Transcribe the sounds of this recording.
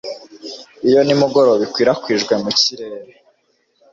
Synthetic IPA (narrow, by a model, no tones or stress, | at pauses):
ijo̞nimuɡo̞ɾoβikwiːɾakwiːʒɡwe̞muciɾeːɾe